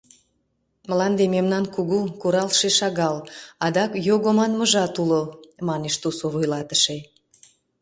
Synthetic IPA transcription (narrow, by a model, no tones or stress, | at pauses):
məlɑnd̪ememnɑnkuɣukuɾɑlʃeʃɑɣɑlɑd̪ɑkjoɣomɑnməʒɑt̪ulomɑneʃt̪usoβojlɑt̪ə̥ʃe